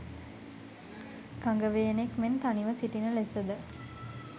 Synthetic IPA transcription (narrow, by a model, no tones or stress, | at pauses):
kaŋɡəʋeːnekment̪aniʋəsiʈinəlesəd̪ə